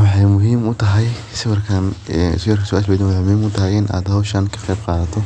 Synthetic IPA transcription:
wɑħɑjmʊɦiːmʊt̪ʰɐɦɛj | sɪwɐrkʰɐn̰sjɐrkʰɐsɔʔasbɛjd̪ɪnwɑħɑjmʊhiːmʊt̪ʰɐɦɛjɪnʔa̰ːd̪hɐwʃɐnkʰɐ̥qɛjb̚qɑːðɐt̪ʰɔ

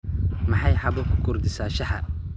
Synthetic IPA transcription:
mɐħɑjħɑbɐkʰʊ̥kʰʊrd̪ɪsaːʃɐħɐ̰

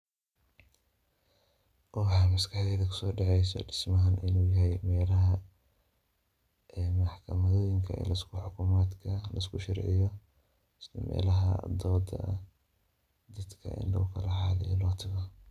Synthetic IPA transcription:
ʔɔħɑmɐskʰɐħðɛːðɐkʰʊ̥sɔːɖɑʕɛjsɔ̰ɖɪ̥smɐɦanʔɪnuːjɐɦɛjmɛːlɐɦɐ | mɐħkʰɐmɐðɔːjɪŋkʰɐɛ̰ːlɐɪskʰʊħʊkʰʊmaːd̪kʰɐlɐɪskʰʊʃɑrʕɪjɔ | slɐmɛ̰ːlɐɦɐ̰d̪ɔːd̪ɐ̰ | d̪ɐd̪kʰɐ̰ʔɪ̰nlɐ̰ɣʊkʰɐlɐħɑːlɪjɔlɔːt̪ʰɐɣɔ

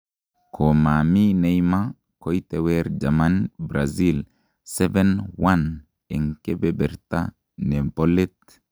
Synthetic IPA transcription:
kʰomaminejma | kɔjt̪ɛwɛɾd͡ʒamanbɾazil | sɛvɛnwan | ɛŋkebɛbɛɾt̪a̰ | nempolit̪

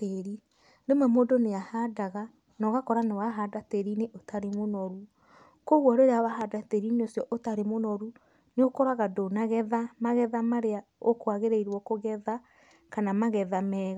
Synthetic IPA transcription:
teɾi | ɾemwɛmodoneahadaɣa | nɔɣakɔɾanewaɦadateɾineʔotaɾemonɔɾu | koɣwɔɾeɾeawaɦadateɾineosjɔʔotaɾemonɔɾu | neokɔɾaɣadonaɣɛðamaɣɛðamaɾea | okwaɣeɾeiɾwɔkoɣɛða | kanamaɣɛðamɛːɣa

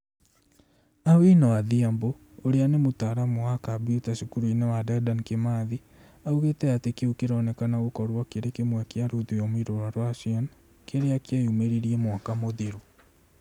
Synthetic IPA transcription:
awenawaðiambo | oɾeanemotaɾamowakabiutaʃukuɾoinewadɛdankemaði | auɣetɛatekeukeɾɔːnɛkanaɣokɔɾwakeɾekemwɛkeaɾuðujɔmwiɾoɾwaɾwaʃian | keɾeakeajumeɾiɾiɛmwakamoðiɾu

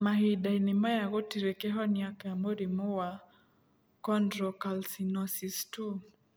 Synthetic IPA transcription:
mahidainɪmajakɔtiɾekeɦɔnjakamoɾimɔwa | kɔndɾɔkalsinɔsistu

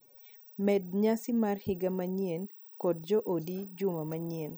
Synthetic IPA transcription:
mɛdɲasɪmarhɪɡamaɲen | kɔd̚d͡ʒɔʔodid͡ʒʊmamaɲen

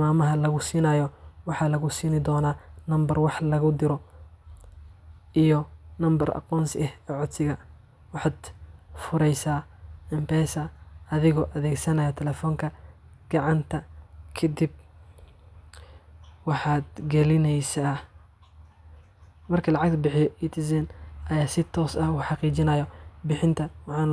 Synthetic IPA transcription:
maːmɐɦɐlɐɣʊsiːnɐːjɔwɑħɑːlɐɣʊsiːnɪd̪ɔːnaːnɐmbɐrwɑħlɐɣʊd̪ɪɾɔ | ʔijɔnɐmbɐrɑ̰qɔːnsɛhɛːʕʊd̪sɪɣɐ | wɑħɑːd̪fʊɾɛjsaːɪmpɛːsɐɐðɪɣɔːʔɐðɛːɡsɐnɐjɔt̪ʰɛlɛːfɔːŋkʰɐɡ̥ɑʕɑnt̪ʰɐkʰɐd̪ib̚ | wɑħɑːd̪ɡɐlɪnɛjsaː | mɐrkʰɐlɑʕɑɡ̚t̪ʰɐbɪħɪjɔʔit̪ʰɪsɛnʔɐjaːsɪt̪ʰɔːsɐhuːħɑqiːt͡ʃɪnɐːjɔbɪħɪnt̪ʰɐwɑħɑːn

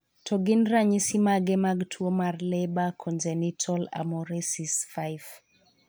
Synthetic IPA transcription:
tʰɔɡinraɲisimaɡɛmaɡtʰwomarlɛbakʰɔnd͡ʒenitʰɔla̰mɔɾesisfajf

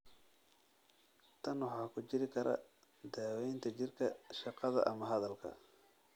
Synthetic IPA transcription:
t̪ʰɐnwɑħɑːkʰʊt͡ʃɪɾɪkʰɐɾʔɐ̰ | d̪aːwɛjnt̪ʰɐt͡ʃɪrkʰɐʃɑqɑðɐ̰ʔɐmɐɦɐðɐlkʰɐ̰

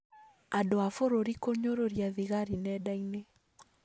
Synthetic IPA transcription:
adoafoɾoɾikoɲoɾoɾjaðiɣaɾinɛdaŋne

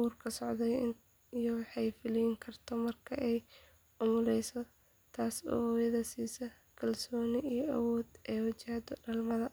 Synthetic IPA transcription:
uːrkʰɐsɔʕðɛn | jɔwɑħɑjfɪliŋkʰɐrt̪ʰɔmɐrkʰɐʔɛj | ʊmʊlɛjsɔ | t̪ʰaːsɔ̰ːhɔjɐðɐsiːsɐ | kʰɐlsɔːnɪijɔʔɐ̰wɔːd̪ɛːwɐt͡ʃɪhd̪ɔɖɐlmɐðɐ

